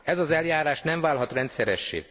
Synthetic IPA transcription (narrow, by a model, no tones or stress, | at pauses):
ɛzɒzɛljaːɾaːʃnɛɱvaːlɦɒt̪rɛnt̪sɛɾɛʃːḛː